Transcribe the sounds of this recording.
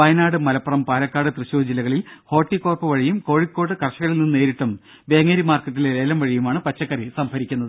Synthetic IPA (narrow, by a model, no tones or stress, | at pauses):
pɐjnaːɽɨmɐlɐpːɐrɐmpaːlɐkːaːɽɨt̪rɨɕuːd͡ʑilɐɣɐɭilho̞ːʈːikːoːrpɨʋɐɻijumko̞ːɻikːo̞ːɽːɨkɐrɕɐɣɐɭilninːe̞ːɾiʈːɐm | be̞ːŋɐɾimaːrkɐt̪ːileɾe̞ːlɐmʋɐɻijumaːɳɨpɐt͡ɕːɐkːɐrisɐmpɐɾikʲːunːɐðɨ